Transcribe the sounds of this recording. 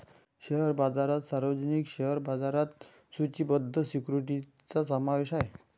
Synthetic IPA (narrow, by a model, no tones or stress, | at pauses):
ɕeɦəɾbad͡zaɾat̪saɾʋəd͡zənikɕeɦəɾbad͡zaɾat̪ | sut͡ɕibəd̪ʱːəsikɾuʈi | t͡sasəmaʋeɕaɦe